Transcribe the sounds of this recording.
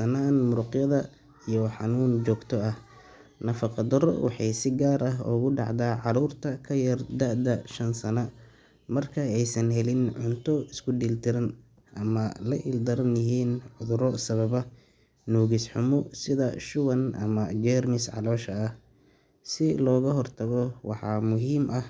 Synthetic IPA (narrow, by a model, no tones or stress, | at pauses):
sɐnaːnmʊɾʊqjɐðɐ | ijɔħɑ̰nuːnt͡ʃɔːɡt̪ʰɔɐh | nɐfɑqɑd̪ɔɾɔ̰wʔɑ̰ħɑjsɪɡaːɾɐɦɔ̰ːɣʊɖɑ̰ʕd̪aːʕɑɾuːrt̪ʰɐkʰɐjɐrd̪ɐʕd̪ɐʃɐnsɐnɐ | mɐrkʰɐɛjsɐnɦɛlɪnʕʊnt̪ʰɔɪskʰʊɖiːlt̪ʰɪɾɐn | ʔɐmɐlɐʔɪld̪ɐɾɐnjɪɦiːnʕʊðʊɾɔsɐβɐβɐ | nuːɣisħʊmɔsɪðɐʃʊwɐnʔɐ̰mɐd͡ʒɛːrmɪsʕɑ̰lɔːʃɐːh | sɪlɔːɣɐɦɔrt̪ʰɐɣɔwɑħɑ̰ːmʊɦiːmʔɐh